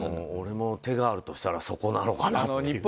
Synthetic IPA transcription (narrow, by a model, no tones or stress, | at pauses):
ooɾe̞mo̞t̪e̞ɡaːɾɯ̟t̪o̞ɕi̥t̪aɾaso̞ko̞nanokanaɲei